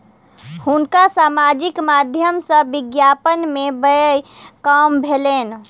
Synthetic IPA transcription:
hʊnkasaːmad͡ʒɪkmad̪ʱjəmsə̃bɪɡjapənmebəkambʱeleːn

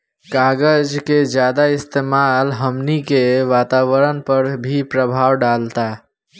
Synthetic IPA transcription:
kaɡəd͡ʒked͡ʒjad̪aɪst̪emalɦəmnikeʋat̪aʋəɾənpəɾbʱipɾəbʱawɖalt̪a

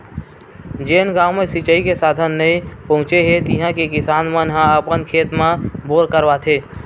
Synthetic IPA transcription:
d͡ʒeːnɡaːwmẽsɪt͡ʃəikesaːd̪ʱənːəĩpəɦʊ̃t͡ʃeɦet̪ɪɦãkekɪsaːnmənɦãəpənkʰeːt̪mãboːɾkəɾʋat̪ʰeː

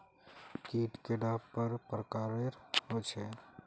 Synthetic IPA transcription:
kiːʈkeɖaːppəɾpɾəkaɾeɾɦot͡ʃʰɛ

